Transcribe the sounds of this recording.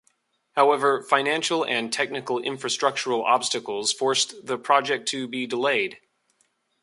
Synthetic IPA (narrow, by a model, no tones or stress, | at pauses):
haʊɛvə˞fãɪ̃næ̃nʃl̩ˠɨ̃ntʰɛk̚nɨkl̩ˠɪ̰̃ɱfɹɨstɹ̥ʌk̚t͡ʃə˞l̩ˠɑ̰b̥stɨkl̩ˠz̥fɔɹsðɨpʰɹ̥ɑd͡ʒɛk̚tʰɨbidəleɪd̥